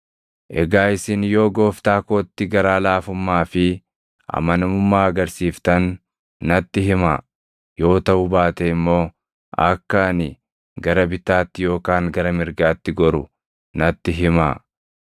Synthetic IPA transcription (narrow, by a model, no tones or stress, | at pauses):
ʔɛɡaːɪsɪnjo̞ːɡo̞ːft̪aːkoːt̪ːɪɡɐɾaːlaːfʊmːaːfɪ | ɐ̰mɐnɐmʊmːaːɐɡɐɾsiːft̪ɐnː | ɐt̪ːɪɦɪmaː | jo̞ːt̪ɐʔʊbaːt̪ɛɪmːo̞ː | ʔɐ̰kːanɪ | ɡɐɾɐbɪt̪aːt̪ːɪjo̞ːkaːŋɡɐɾɐmɪɾɡaːt̪ːɪɡɔɾʊ | nɐt̪ːɪɦɪmaː